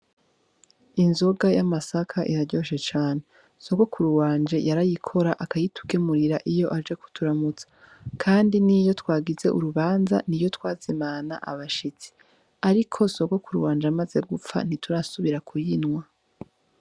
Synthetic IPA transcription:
inzo̞ɡajamasakʰaʔiɾaɟo̞ːʃe̞t͡ʃaːne̞ | so̞ɡo̞kʰuɾuwaːnd͡ʒejaɾajikʰo̞ɾaʔakajitu̥kemuɾiɾaʔijo̞ʔad͡ʒe̞ku̥tʰuɾamut͡sḁ | kʰaːndinijo̞twaːɡize̞̰ʔṵɾuβaːnza̰nijo̞twaːzimana̰ʔa̰βaʃit͡si̥ | aɾikʰo̞so̞ɡokuɾuwaːnd͡ʒamaze̞ɡup͡fa̰n̥ituɾasuβiɾakʰujinwa

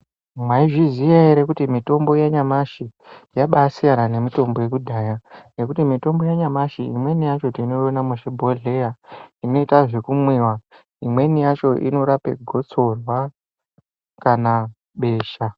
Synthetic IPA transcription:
mwaiʐizijaeɾekutimito̞mbo̞jaɲamaʃijaɓasijanane̞mito̞mbo̞je̞kudʱaːjane̞kutimito̞mbo̞jaɲamaʃiimwe̞nijat͡ʃo̞tino̞jonamuʐibʱoɮe̞jaino̞itaʐe̞kumwiwa | imwe̞nijat͡ʃo̞ʔḭno̞ɾapḛɡʱo̞t͡so̞rwa | kana | ɓe̞ːʃa

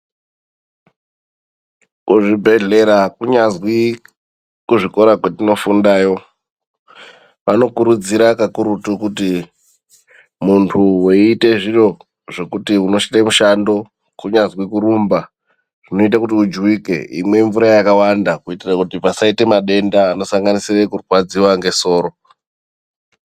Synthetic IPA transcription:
kuʐibʱe̞ɮe̞ɾakuɲazwi | kuʐiko̞ɾakwetino̞fundaːjo̞ | ʋano̞kuɾud͡ziɾakakuɾutukuti | muntʰuweite̞ʐiro̞ | ʐe̞kutiuno̞ʃitemuʃando̞ | kuɲazwikuɾumba | ʐ̥ino̞it̬akutiud͡ʒwike̞̰ḭmwe̞ɱvuɾajakawandakuitirakutipasaite̞maɗe̞ndaːno̞saŋɡanisirekurwad͡ziwaŋɡe̞so̞ːɾo

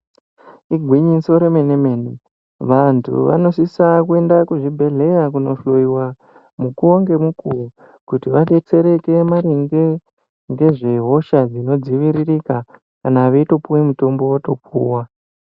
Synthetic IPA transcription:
iɡʱwiɲiso̞ɾemenemeni | ʋantʰṵʋa̰no̞sisakue̞ndakuʐibʱe̞ɮe̞rakuno̞ɬo̞jiwa | mukuoŋɡe̞mukuu | kutiʋaɗe̞t͡se̞ɾe̞ke̞maɾiŋɡe̞ | ŋɡe̞ʐe̞ɦo̞ʃad͡zino̞d͡ziʋiɾirika | kanaʋeito̞puwemuto̞mbo̞woto̞p̚ʰṵːwa

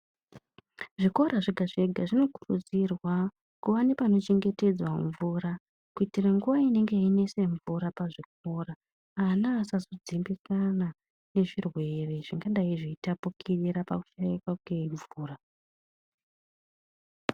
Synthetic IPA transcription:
ʐiko̞ɾaʐiɡʱaʐe̞ɡʱaʐino̞ku̥rṵd͡zirwa | kuʋanepano̞t͡ʃe̞ŋɡe̞te̞d͡zwaɱvuɾa | kuitiraŋɡuʋaine̞ŋɡe̞ine̞se̞ɱvuɾapaʐik̚o̞ːraː | naːsazod͡zimbisana | ne̞ʐirwe̞re̞ʐiŋɡaɗaiʐiitapukʰiriɾapaku̥ʃajikwakukeɱvuːra

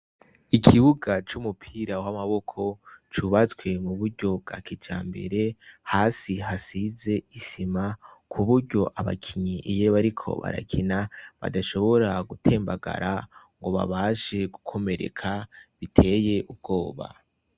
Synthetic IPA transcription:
ikʰiβuɡat͡ʃumupʰiːɾawamaβo̞kʰo̞t͡ʃuβat͡swe̞muβuɾɟo̞b̚ɡa̰ːkid͡ʒa̰ːmbe̞̰ɾe̞haːsiɦasize̞isimakʰuβuɾɟo̞ʔaβa̰kʰiɲiʔejeβaɾikʰo̞̰βa̰ɾa̰kʰinaβa̰daʃo̞βo̞ɾaɡutʰe̞ːmbaɡa̰ɾa | ŋɡo̞βa̰βaːʃe̞ɡukʰo̞me̞ɾe̞̰kʰaβitʰe̞ːje̞ʔub̚ɡo̞ːβa̰

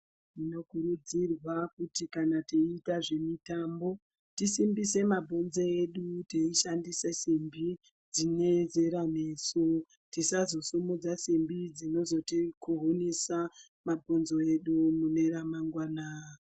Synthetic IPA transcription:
ino̞kuɾud͡zirwakutikanateitaʐe̞mitambo̞ | tisimbise̞mabʱo̞nzoeɗuteiʃandisesimbi | d͡zineze̞ɾanesu | tisazo̞sumud͡zasimbid͡zino̞zo̞tikuɦunisa | mabʱo̞nzo̞e̞ɗumune̞ɾamaŋɡwaːna

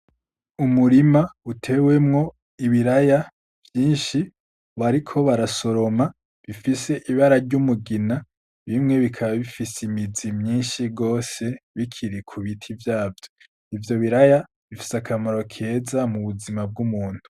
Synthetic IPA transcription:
umuɾimautʰe̞ːwe̞mŋo̞ | iβiɾaja | vjiːnʃi | βaɾikʰo̞βaɾaso̞ɾo̞ma | βifise̞ʔiβaɾaɾɟumuɡina | βimŋe̞βikʰaβaβifisimizimɲiːnʃiɡo̞ːse̞βikʰiɾikʰuβitʰivjaːvjo | ivjo̞βiɾaja | βifi̥sakʰamaɾo̞kʰe̞zamuβuzimab̚ɡumuːn̥hu̥

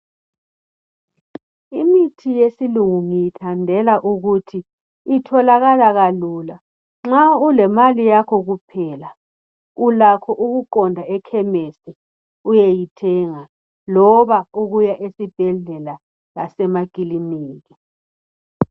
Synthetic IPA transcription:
imitʰijesiluŋuŋijitʰandʱɛlaʔuɣutʰiː | tʰɔlaɣalaɣaluːla | ŋ͡ǁaulɛmalijakʰɔɣupʰɛːla | ulakʰɔʔuɣuǃɔndʱaɛkʰɛmɛsɛ | ujejitʰɛŋa | lɔβauɣujaʔesib̥ʱɛɮɛla | lasɛmaɡ̥ʱiliniːɣi

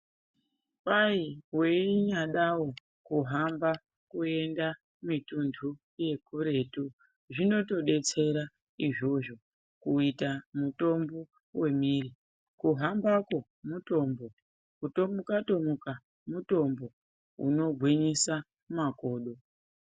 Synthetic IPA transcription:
paiwe̞iɲaɗawo̞ | kuɦamba | kue̞nda | mitundʰʱu | je̞kuɾe̞tu | ʐino̞to̞ɗe̞t͡se̞ɾa | iʐo̞ʐo̞ | kuitamuto̞mbo̞ | we̞miri | kuɦambako̞ | muto̞mbo̞ | utomukato̞muka | muto̞mbo̞ | ṵno̞ɡʱwiɲisa | mako̞ːɗo̞

